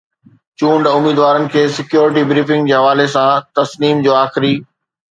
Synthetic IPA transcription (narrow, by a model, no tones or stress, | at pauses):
t͡ɕũːɳɖʊmiːd̪ʋaːɾənɪ̆kʰeːsɪkjoːɾɪʈibɾiːfɪ̃ŋɡd͡ʑeːɦɐʋaːlesãt̪ɐsniːmd͡ʑoːaːxɪɾiː